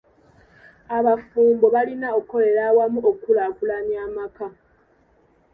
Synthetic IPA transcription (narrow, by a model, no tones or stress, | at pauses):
aβafuːmbo̞βalinao̞kːo̞le̞ɾawamuʔokːulakulanjaːmaka